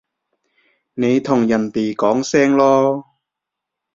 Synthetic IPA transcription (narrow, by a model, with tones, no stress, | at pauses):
ne˨˧jt̪ʰʊ˨˩ŋjɐ˨˩nt̪iː˨˩kɔː˨˥ŋsɛː˥ŋlɔː˥